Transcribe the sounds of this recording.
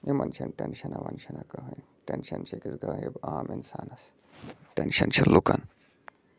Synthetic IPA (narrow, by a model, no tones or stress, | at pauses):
emɐnt͡ʃʰɐnʈenʃɐnaʋɐnt͡ʃʰɐnakɐɦɐj | ʈenʃɐnt͡ʃʰikizɡaːɦebaːminsaːnɐs | ʈenʃɐnt͡ʃʰɐlukɐn